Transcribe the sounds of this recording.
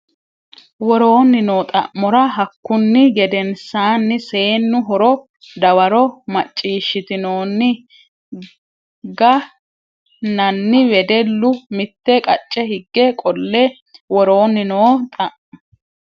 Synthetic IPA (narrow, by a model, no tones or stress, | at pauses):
wɔɾo̞ːnːɪno̞ːt̪ʼɐ̰ʔmɔɾɐɦɐkːʊnːɪɡɛd̪ɛnsaːnːɪse̞ːnːʊɦɔɾɔ | d̪ɐwɐɾɔmɐt͡ʃʼːiːʃːɪt̪ɪno̞ːnːɪ | ɡɐ | nɐnːɪwɛd̪ɛlːʊmɪt̪ːɛkʼɐt͡ʃʼːɛhɪɡːɛkʼɔlːɛ | wɔɾo̞ːnːɪnoːt̪ʼɐʔm